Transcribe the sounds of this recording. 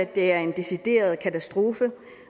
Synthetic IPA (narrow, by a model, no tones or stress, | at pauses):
æd̥e̝æɐe̝nd̥e̝sid̥e̝̰ːɐð̞ˠkʰæt͡sʰæsd̥ʁo̝ːfə